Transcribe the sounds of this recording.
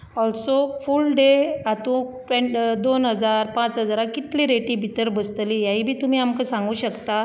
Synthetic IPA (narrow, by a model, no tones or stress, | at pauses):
ɔlsofulɖeat̪ũʈəd̪onɦəd͡zaɾpãt͡sɦəd͡zɾakit̪liɾeʈĩbʱit̪əɾbəst̪lijaɦiːbʱiːt̪um̤iːamkəsãŋɡuːɕəkt̪a